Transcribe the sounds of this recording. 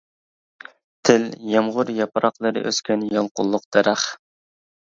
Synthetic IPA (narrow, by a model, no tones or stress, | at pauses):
t̪ʰɪljɑmʁʊɾjɑpɾɑqlˠɨɾɨ̰ʔøskʲɛnjɑlˠqʊlˠːʊq̚d̪̥ɛɾæχ